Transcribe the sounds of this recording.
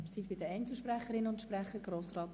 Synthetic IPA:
sit̪b̥ɪd̪əɛntsl̩ˠʃprɛχəɾɪnʊntʃpɾɛχəɡɾoːsrɑːt

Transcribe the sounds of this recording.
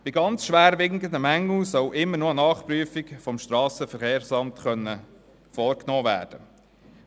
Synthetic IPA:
b̥ɪɡɑnt͡sʃʋæːɾʋɪŋkənd̪əmæŋːl̩sœwʔɪmːəɾnoənɑːχpɾyəfɪkfɔmʃtɾɑːsəfəɾχeːɾsɑmtχœnːə | fɔːɾknɔːvæ̰ːɾd̥ə

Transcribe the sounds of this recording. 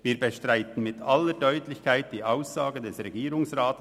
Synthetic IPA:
viːɾbəʃtʁaɪtən̩mɪtʰalːəɾdœʏtlɪçkʰaɪt̚d̥iːʔaʊsz̥aːɡədɛsʁɛɡiːɾʊŋsʁaːtə

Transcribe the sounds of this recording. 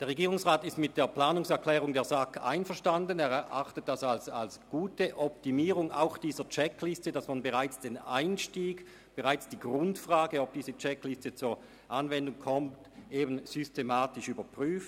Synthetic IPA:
d̥eɐʁeɡiːʁʊŋsʁaːtɪstmɪt̚d̥eːɐpl̥aːnʊŋsɛɐkʰl̥ɛːʁʊŋdeːɐzaka̰ɪnfəɐʃtandənɛːɐʔa̰χtət̚d̥asalsalsɡ̥uːtəʔɔptimiːʁʊŋa̰ʊxd̥iːzɐt͡ʃɛkʰlɪstədasmanbəʁaɪt͡sd̥ena̰ɪnʃtiːɡ | b̥əʁaɪt͡sd̥iːɡʁʊntfʁ̥aːɡəɔb̚d̥iːzət͡ʃɛklɪstət͡suːɐ | ʔanvɛndʊŋkʰɔmt | ʔeːbn̩z̥ʏstemaːtɪʃyːbɐpʁ̥yːft

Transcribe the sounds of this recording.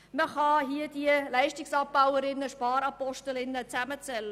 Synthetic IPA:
məχɑɦiəd̥iəlæɪʃtɪksɑp̚b̥awəɾɪnːəʃpɑːɾɑpɔʃtəlɪnːət͡sæmət͡sɛlːə

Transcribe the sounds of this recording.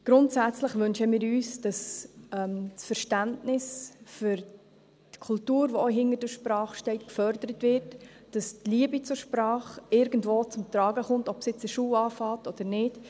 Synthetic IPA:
ɡ̥ɾʊntsæt͡sləχʋʏnʃəmɪːɾyːsd̥ɑsɛmsfəɾʃtæntnɪsfʏɾ | tkʰʊltuːɾʋoɔɦɪnərd̥əʃpɾɑːχʃtɛɪtkfœɾdəɾətvɪɾtd̥ɑstliəbit͡sʊɾʃpɾɑːχɪɾɡən̩dvoːt͡sʊmt̪ɾɑːɡəχʊntɔpsjɪt͡səʃuːɑːfɑːtɔd̪̥əɾnɪd

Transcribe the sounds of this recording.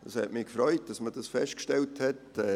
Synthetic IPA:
d̥əshɛ̰tmɪkfɾɔʏt̚d̥ɑsməd̥ɑsfɛʃt̚kʃtɛlthɛtɛ

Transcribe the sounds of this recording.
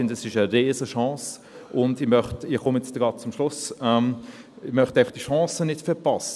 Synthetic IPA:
ɪndəɛsɪʃəɾeːzəʃɑ̃ːs | ʔʊndɪmœχtɪχʊmjɛt͡stəɡɑːt̚t͡sʊmʃlʊsɛm | ɪmœχtaɪfɑχd̥iʃɑ̃ːsənɪtfɛpɑsə

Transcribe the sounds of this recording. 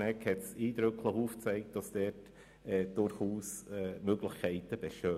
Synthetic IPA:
ɛkhɛtsiːdɾʏkʰləχuːft͡sɛɪkt̚d̥ɑsd̥ɛt | ɛːd̥ʊɾχuːsɛːmøɡləxkʰɛɪtəb̥ɛʃøː

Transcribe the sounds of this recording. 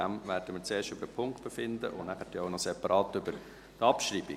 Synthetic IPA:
æmʋæːɾd̥əmɪːɾt͡seːʃtʏbəɾdəpʰʊŋkt̚b̥efɪnd̪ə̰ʔʊ̰nnæχət̪joʊnɔsɛpɑɾʔɑːt̪ʏbəɾ | t̪ɑpʃɾiːbi

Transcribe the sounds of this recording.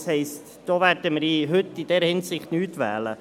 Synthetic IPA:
shɛɪst | d̥oːʋæɾd̥əməɾiɦɵt̪ːid̥ɛːɾhɪnsɪχtnyːt̪ʋæ̰ːlə

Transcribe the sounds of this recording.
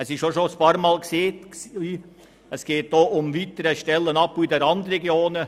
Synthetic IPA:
ɛsɪʃʃoʃoəspɑːɾmɑːlkseːtsiː | ɛsɡ̥eːt̚d̥oːʔʊmviːt̪əɾəʃtɛlːənɑpːuidɛɾɑnd̪əɾɛɡjoːnə

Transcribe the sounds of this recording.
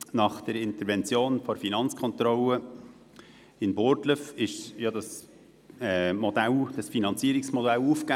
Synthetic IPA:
nɑχd̥ɛɾɪnt̪əɾvɛnt͡sjoːnfɔɾfinɑnt͡skʰɔnt̪ɾɔlə | ɪnboɾtləfɪʃjɑdɑs | ɛmɔd̥̪æld̥ɑsfinɑnt͡siːəɾɪksmɔdælufka

